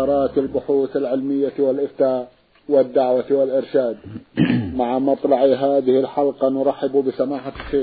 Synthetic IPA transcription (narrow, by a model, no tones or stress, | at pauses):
ɾˤɑːt̪ɪlbʊħuːθalʕɪlmɪjːawɪlʔɪft̪aːʔ | wɪd̪ːaʕwawɪlʔɪɾʃaːd̪ | maʕamɑt̪ˤlɑʕiɦaːðɪhɪlħɑlqɑnʊɾˤɑħːɪbbɪsamaːħaxeː